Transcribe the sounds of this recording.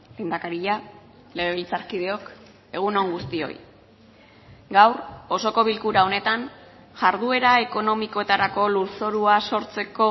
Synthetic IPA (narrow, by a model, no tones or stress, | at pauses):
le̞ːnd̪akaɾiʎa | le̞ɾeβilt͡saɾkið̞e̞o̞k | e̞ɣ̞uno̞ŋɡust̪io̞̰j | ɡawɾo̞so̞ko̞β̞ilkuɾao̞ne̞t̪an | ʝaɾðue̞ɾae̞ko̞no̞miko̞e̞t̪aɾako̞luso̞ɾuaso̞ɾt͡se̞ko̞